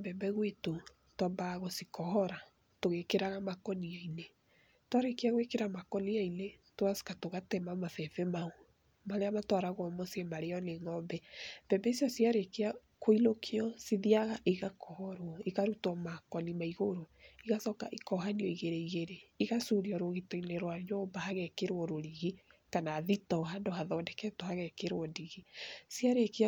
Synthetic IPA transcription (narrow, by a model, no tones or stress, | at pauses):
bɛmbɛɣweto | twambaɣɔsikɔhɔɾa | toɣekeɾaɣamakɔniaine | twaɾekeaɣwekeɾamakɔniainetoasi̥katoɣatɛmamafɛfɛmao | maɾeamatwaɾaɣɔmɔsemaɾeɔneŋɔmbɛmb̥ɛmbɛisjɔsiaɾekea | koilokʰeɔsiðiaɣaʔiɣakʰɔhɔɾwɔiɣaɾutɔmakɔnimaiɣoɾoiɣasɔka̰ʔikɔɦaniɔiɣeɾeiɣeɾeiɣasuɾiɔɾoɣitɔineɾwaɲɔmbahaɣɛkeɾwɔɾoɾiɣikanaːðitɔhandohaðɔndɛkɛtohaɣɛkeɾwɔndiɣisiaɾekea